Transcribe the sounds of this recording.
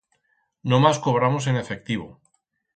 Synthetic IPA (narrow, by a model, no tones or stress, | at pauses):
nomasko̞βɾamos̬e̞ne̞fe̞k̚t̪iβ̞o̰